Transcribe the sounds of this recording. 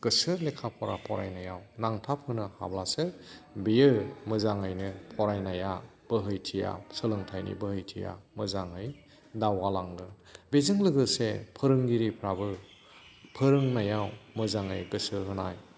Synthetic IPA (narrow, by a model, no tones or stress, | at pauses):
ɡ̥ɯsɯlekʰapʰɔɾapʰɔɾa̰jnajawnaŋtʰapʰɯnɯha̰blasɯbijɯmɯzaŋɯjnɯpʰɔɾajnaja | b̥ɯɦɯjtʰija̰sɯlɯŋtʰajnḭbɯhɯjtʰḭja̰mɯzaŋɯj | dawalaŋɡɯ | bezɯŋlɯɡɯsepʰɯɾɯŋɡiɾipʰɾabɯ | pʰɯɾɯŋnajawmɯzaŋɯjɡɯsɯɦɯnaj